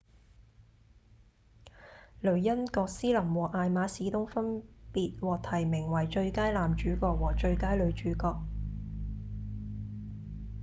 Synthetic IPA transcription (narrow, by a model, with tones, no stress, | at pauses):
lɵ˨˩ɥjɐ˥nkɔː˧k̚siː˥lɐ˨˩mwɔː˨˩kʔaː˨˧jmaː˨˧˥siː˨˥t̪ʊ˥ŋfɐ˥npiː˧t̚wɔː˨k̚t̪ʰɐ˨˩jmɪ˨˩ŋwɐ˨˩jt͡ʃɵ˧ɥkaː˥jlaː˨mt͡ʃyː˨˥kɔː˧k̚wɔː˨˩t͡ʃɵ˧ɥkaː˥jlɵ˨˧ɥt͡ʃyː˨˥kɔː˧k̚